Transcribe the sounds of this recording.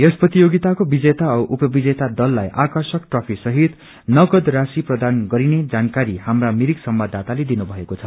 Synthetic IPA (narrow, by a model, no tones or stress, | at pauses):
esprʌt̪ijoɡit̪akobid͡zet̪aʌʔupʌbid͡zet̪ad̪ʌlːajʔakʌrsʌkʈropʰisʌɦit̪ | nʌɡʌd̪rasiprʌd̪anɡʌɾined͡zankaɾihamramiɾiksʌmbad̪ʱːat̪aled̪inubʱʌekot͡sʰʌ